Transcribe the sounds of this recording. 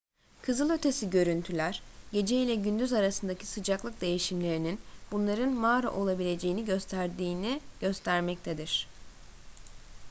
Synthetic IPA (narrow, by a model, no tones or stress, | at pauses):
kʰɯzɯlˠø̞t̪ʰe̞siɟø̞ɾynt̪ʰylʲæɾ̥ɟe̞d͡ʒeilʲɛɟynd̪yzaɾasɯnd̪acʰi̥sɯd͡ʒaklˠɯk̚d̪e̞jiʃimlʲe̞ɾininbunlˠaɾɯnmaːɾa̰ʔo̞lˠabilʲe̞d͡ʒe̞jiniɟø̞st̪ʰæɾd̪iːniɟ̥ø̞st̪ʰæɾmɛc̚t̪ʰed̪iɾ̥